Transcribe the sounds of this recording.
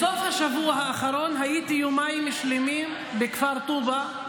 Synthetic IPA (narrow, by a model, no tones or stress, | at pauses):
sofhaʃavuaɦaʔaχaɾo̞nɦajit̪ijumajmːiʃlimim | bekfaɾt̪uba